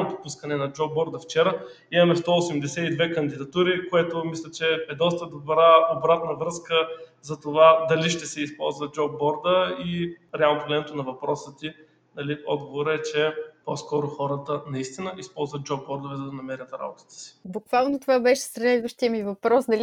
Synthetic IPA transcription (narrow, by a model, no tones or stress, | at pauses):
not̪opuskənɛnɐd͡ʒɔb̚ːɔɾd̪əft͡ʃɛɾə | imɐmɛst̪ɔosɛmd̪ɛsɛid̪vɛkɐnd̪id̪ɐt̪uɾikoɛt̪omislʲɛt͡ʃɛɛd̪ɔst̪əd̪obɾaobɾat̪nəvɾɤskəzɐt̪ovad̪ɐliʃt̪ɛsɛispɔ̰lˠzvəd͡ʒɔbbɔɾd̪əiɾɛalˠnot̪ʊɡlɛnɛt̪onɐvɐpɾɔsət̪i | nɐliɔ̰d̪ɡovoɾəɛt͡ʃɛpɔskɔɾʊxɔɾət̪ənɐist̪inəʔispɔlˠzvət̪̚d͡ʒɔbːɔɾd̪ovɛzɐd̪ɐnɐmɛɾʲət̪ɾa̰bot̪ə̥t̪ə̥si̥bʊkvalˠnot̪ovabɛʃɛ̥slɛd̪vəʃt̪ijəmivɐpɾɔsnɐl